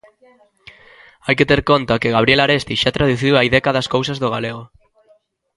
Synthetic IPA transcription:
ajket̪eɾkont̪akɪɣaβ̞ɾjelaɾest̪iʃat̪ɾaðuθiwaiðɛkaðɐskowsɐzðoɣaleɣ̞o

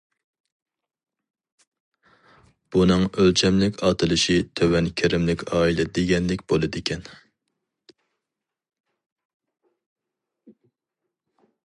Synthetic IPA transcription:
b̥unɨŋølt͡ʃʰɛmlɪkʲɑt̪ʰɨlˠɨʃit̪ʰøwɛnkʲʰɪɾɪmlɪkʲʰɑːilɛd̪eɡʲɛnlɪkʲb̥olˠɨd̪ɪkʲʰɛn

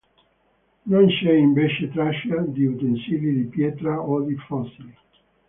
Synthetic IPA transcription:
nõnʃɛimbɛʃet̪ɾaʃad̪iut̪ensilid̪ipjɛt̪ɾaod̪ifɔsil

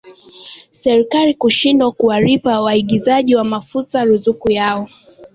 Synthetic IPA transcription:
sɛɾikalikuʃindwakuwaɾipawaiɠizaʄiwamafusaɾuzukujaɔ

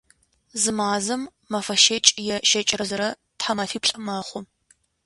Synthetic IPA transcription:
zɨmaːzɐmː | ɐfɐʃeːt͡ʃʼjɛʃɐt͡ʃʼɪrɐzɐɾɐ | tħamɐfiːpɬʼɨmɐχʷʊm

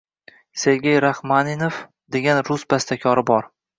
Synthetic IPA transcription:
se̞ɾɡʲejɾahmaninof | d̪e̞ɡʲanɾʊsbast̪akʲʰɒɾɪbɒɾ

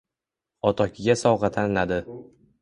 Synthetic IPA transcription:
ɒt̪ʰɒkʲʰɪɡʲasɒwʁɑt̪ʰanɪlad̪ɪ

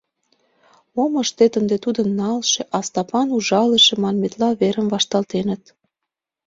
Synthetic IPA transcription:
omə̆ʃt̪et̪ənd̪et̪ud̪ə̆mnɑlʃeʔɑst̪ɑpɑnuʒɑləʃĕmɑnmet̪lɑβeɾəmvɑʃt̪ɑlt̪enə̆t̪

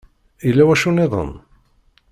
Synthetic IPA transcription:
ilːæwæʃunɪðˤə̰n

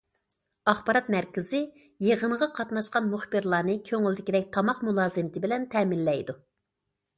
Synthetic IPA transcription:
ɑχbɑɾɑt̪mæɾkʲɪzɪ | jeʁəɴʁɑqʰɑt̪nɑʃqɑnmuχbɨɾlˠɑːnɨkʲʰøŋyld̪ɪkʲid̪ɛk̚ʲt̪ʰɑmɑqmulˠɑːzɨmɪt̪ʰɪbɪlɛnt̪ʰɛːmɪlːɛjd̪u

